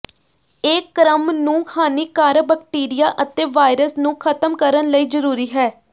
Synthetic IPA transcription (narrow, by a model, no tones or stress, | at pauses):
eːkːɾəmnũːkʰaːniːkaːɾəbək̚ʈiːɾɪjaːʔət̪eːʋaːɪɾəsnũːkʰət̪əmkəɾənləiːzəɾuːɾiːɦɛː